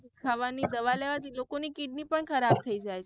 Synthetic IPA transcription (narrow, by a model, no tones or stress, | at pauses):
kʰaʋanid̪əʋaleʋat̪ilokonikiɖnipəɳkʰəɾab̚t̪ʰəid͡ʒajt͡ʃʰ